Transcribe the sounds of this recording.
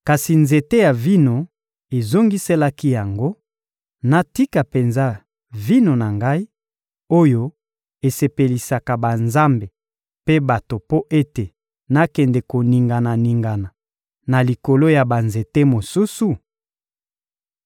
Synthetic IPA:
ka˨si˨nze˨te˦ja˨vi˦no˨ | e˨zo˦ŋɡi˦se˦la˦ki˦ja˨ŋɡo˦ | na˦ti˦ka˨pe˨nza˦ | vi˦no˨na˨ŋɡa˦i˦ | o˦jo˦ | e˨se˨pe˨li˨sa˨ka˨ba˨nza˦mbe˨ | pe˦ba˨to˨po˦ʔe˦te˨ | na˦kɛ˨ndɛ˨ko˨ni˨ŋɡa˨na˨ni˨ŋɡa˨na˨ | na˨li˨ko˨lo˦ja˨ba˨nze˨te˦mo˨su˦su˨

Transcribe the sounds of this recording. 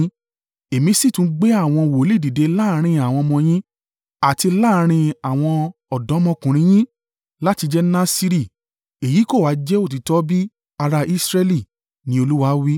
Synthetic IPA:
e˨mĩ˧˦si˦˨tũ˦ɡ͡be˦a˦˨w̃ɔ̃˧˨wo˨˦li˦˨di˨de˨˧la˦˧ɾ̃ĩ˧a˨w̃ɔ̃˧mɔ̃˧j̃ĩ˦ | a˨ti˧laː˦ɾ̃ĩ˧a˨w̃ɔ̃˧ɔ˨dɔ̃˨˦mɔ̃˧kũ˨ɾ̃ĩ˧˦j̃ĩ˦ | la˦ti˧d͡ʒɛ˦nã˦si˧ɾi˦˨ | e˨ji˨˦ko˦˨wa˨˦d͡ʒɛ˦o˦˨t̬i˨tɔ˦bi˦ | a˧ɾa˧ʔi˦sɾɛ˦li˦˨ | nĩ˦o˧lu˦wa˧˦wi˦

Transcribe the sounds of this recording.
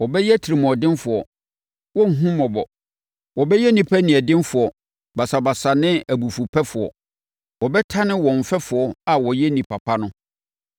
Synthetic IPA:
wɔ˨bɛ˦jɛ˦tʰi˨ɾi˨m˨ɔ̃˨dɪ̃˦nfʊ˨ɔ˨ | wɔ̃˦ŋ̩˨ɦũ˦mɔ̃˨bɔ˨ | wɔ˨bɛ˦jɛ˦nĩ˨pʰæ˦nĩ˨ɛ˨dɪ̃˦n˦fʊ˨ɔ˨ | ba˨sa˨ba˨sa˨nɪ̃˦æ˨bu˨fu˨pʰɛ˦fʊ˨ɔ̰˨ | wɔ˨bɛ˦tʰa˦nɪ̃˦wɔ̃˨m˨fɛ˦fʊ˨ɔ˨a˨wɔ˨jɛ˦nĩ˨pʰa˨pʰa˦nʊ̃˦

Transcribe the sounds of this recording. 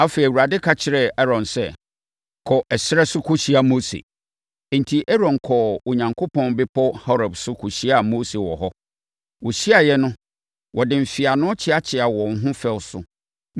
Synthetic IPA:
a˦fe˨i˨wu˨ɾa˨dɪ˦kʰa˦t͡ɕʰɪ˨ɾɛ˦ɛ˦ɾɔ̃˨nsɛ˦˨ | kʰɔ˨ʔɛ˨sɪ˦ɛ˦sʊ˦kʰʊ˦ɕi˦a˨mo˦sḛ˨ | n̩˨tʰi˨ʔɛ˦ɾɔ̃˨nkʰɔ˨o˨ɲã˨ŋkʰo˦pʰɔ̃˦nbɪ˦pʰɔ˦hɔ˦ɾa˨bsʊ˦kʰu˨ɕi˦a˨moː˦se˨wɔ̰˨ɦɔ˦ | wɔ˨ɕi˦a˨jɛ˦nʊ̃˦ | wʔɔ˨dɪ̃˨m̩˨fɪ˨a˨nʊ̃˦t͡ɕʰɪ˦a˦t͡ɕʰɪ˨a˨wɔ̃˨ŋ̩˦ɦʊ̃˦fɛ˦lsʊ̰˦

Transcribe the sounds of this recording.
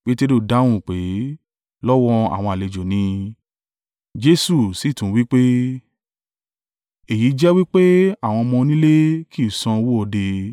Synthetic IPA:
k͡pe˦te˦ɾo˦˨da˨˦w̃ũ˦˨k͡pe˨˦ | lɔ˦wɔ˦a̰˨w̃ɔ̃˧a˨le˨d͡ʒo˨nĩ˧ | d͡ʒe˦su˦˨si˨tũ˨˦wi˦k͡pe˦ | e˨ji˨˦d͡ʒɛ˦wi˦k͡pe˦a˦˨w̃ɔ̃˧mɔ̃˧nĩ˦le˦ki˦u˨sã˧wo˦ɔ˧de˧

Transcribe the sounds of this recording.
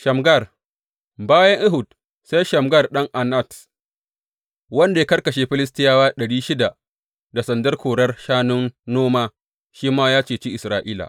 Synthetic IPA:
ʃɐ˨mɡɐ˦˨r | baː˦jɐ˦ŋʔɪ˦ɦʊ˨d | sa˦jʃɐ˨mɡɐ˦˨rɗɐ˦ŋʔa˨nɐ˦˨t | wɐ˦nda˨je˦kɐ˦rkɐ˨ʃeː˨ɸɪ˦lɪ˦s̬tɪ˦jaː˦waː˦ɗɐ˨ɽiː˦ʃɪ˦da˨ | da˨sɐ˨ndɐ˦rkʰʷoː˨ɽɐ˦rʃaː˦nʊ˦nːoː˦maː˦ | ʃiː˦maː˦jaː˦t͡ʃeː˨t͡ʃi˦ʔɪ˨sɾaː˨ʔiː˦la̰˨ʔ

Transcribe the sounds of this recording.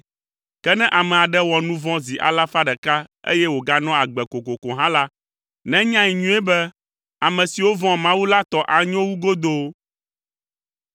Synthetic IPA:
kɛ˦nɛ̃˦ʔa˨mɛ̃˨a˨ɖɛ˦wɔ˨nũ˦vɔ̃˦zi˨ʔa̰˨la˦fa˦ɖɛ˨ka˦ḛ˦jɛ˦wo˨ɡa˦nɔ̃˦a˨ɡ͡bɛ˨ko˨ko˨kɔ̃˨ɦã˦la˦ | nɛ̃˦ɲã˦i˨ɲũ˦ɛ˦bɛ˦ | a˨mɛ̃˨si˨wo˦vɔ̃˦mã˦wu˦la˦t̪ɔ˦ʔa˨ɲɔ̃˦wu˦ɡo˦d̪o˦

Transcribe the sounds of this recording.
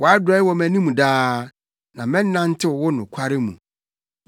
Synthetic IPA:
wɔ˨a˦dʊ˨ɛ˦wɔ˨mæ̃˨nĩ˦mũ˨daː˦ | nã˨mɛ̃˦n˦nã˦n˦tʰɪ˦wɔ˨wʊ˦nʊ̃˨kʷʰa˦ɾɪ˦mṵ̃˨

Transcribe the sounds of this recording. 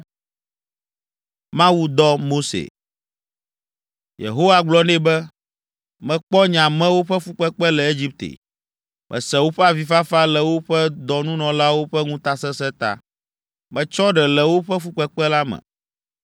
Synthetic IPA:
mã˦wu˦d̪ɔ˦mo˦sḛ˨ | jḛ˨ɦo˦wa˨ɡ͡blɔ˦nɛ̃˦bɛ˦ | mɛ̃˨k͡pɔ˦ɲã˨mɛ̃˦wo˦ɸɛ˦fu˦k͡pɛ˦k͡pɛ˦lɛ˨e˦d͡ʑi˦p̚t̪ḛ˨ | mʔɛ̰̃˨sɛ̃˨wo˦ɸɛ˦a˨vi˨fa˦fa˦lɛ˨wo˦ɸɛ˦d̪ɔ˨nũ˦nɔ̃˨la˦wo˦ɸɛ˦ŋũ˦t̪a˨sɛ˦sɛ˦t̪a̰˨ | mɛ̃˨t͡ʃɔ˦ɖɛ˨lɛ˨wo˦ɸɛ˦fu˦k͡pɛ˦k͡pɛ˦la˦mɛ̰̃˨

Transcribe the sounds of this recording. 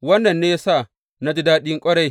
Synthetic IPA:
wɐ˦nːɐ˨nːeː˦ja˦sa˦˨ | na˦di˦daː˦ɗɪ˦ŋkʷʼɐ˦ɽa˨j

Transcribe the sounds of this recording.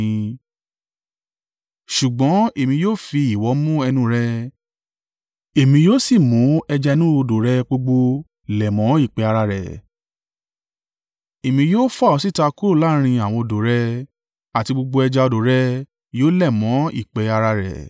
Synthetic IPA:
ʃu˨ɡ͡bɔ̃˨˦e˨mĩ˧joː˦fi˧i˨wɔ˨˦mũ˦ɛ˧nũ˦ɾɛ˦ | e˨mĩ˧joː˦si˦˨mũ˨˦ɛ˧d͡ʒa˧nũ˦o˧do˨ɾɛ˦k͡po˧ɡ͡bo˧ | lɛ˨mɔ̃˨˦i˦˨k͡pɛ˧˦a˧ɾa˧ɾɛ̰˨ | e˨mĩ˧˦joː˦fa˦˨ɔ˨˧si˦˨ta˧ku˦o˦˨la˦ɾ̃ĩ˧a˨w̃ɔ̃˧o˧˨do˨ɾɛ˦ | a˨ti˧ɡ͡bo˧ɡ͡bo˧ɛ˧d͡ʒa˧ɔ˧do˨ɾɛ˦ | joː˦lɛ˦˨mɔ̃˨˦ḭ˦˨k͡pɛ˨˧˦a˧ɾa˧ɾɛ̰˨

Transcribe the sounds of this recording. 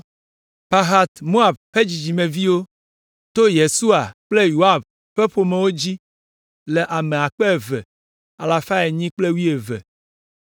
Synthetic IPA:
pa˦ɦa˦t̪mo˦a˨bɸe˦d͡ʑi˨d͡ʑi˨mẽ˨vi˦wo˦ | t̪o˦je˨su˦a˨k͡ple˦jo˨a˦˨b | ɸe˦ɸo˨mẽ˨wo˦d͡ʑi˦ | le˨ʔa˨me˨a˨k͡pe˦e˨vḛ˨ | a˨la˨fa˦e˨ɲĩ˦k͡ple˦wi˦e˨vḛ˨

